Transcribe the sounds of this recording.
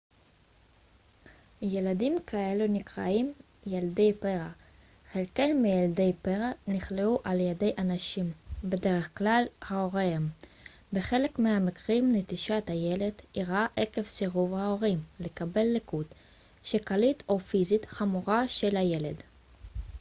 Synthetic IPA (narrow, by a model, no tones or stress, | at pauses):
jeladimkaelunikʁa̰im | jalde̞jpeʁa | χelkejlmijalde̞jpeʁaniχleuʔaljede̞jʔanaʃimbe̞de̞ʁeχklalhaoʁeem | beχe̞lekmihamikʁimnet̪iʃat̪haje̞le̞dʔiʁaʔeke̞vseʁuvhao̞ʁimle̞kabe̞lːekut | ʃekalito̞fizit̪χamuʁaʃelhaje̞led